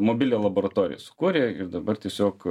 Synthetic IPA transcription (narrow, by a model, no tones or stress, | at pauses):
moːbʲɪlʲeːlˠɐboːɾɐt̪oːɾʲɪ̰jɛ̰sʊ̥kuːɾʲeːɪ̰rd̪ɐbɐrt̪ʲiɛsʲoːk